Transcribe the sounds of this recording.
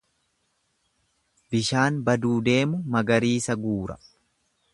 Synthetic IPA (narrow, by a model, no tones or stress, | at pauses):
bɪʃaːnbɐd̪uːd̪e̞ːmʊmɐɡɐɾiːsɐɡuːɾɐ̥̰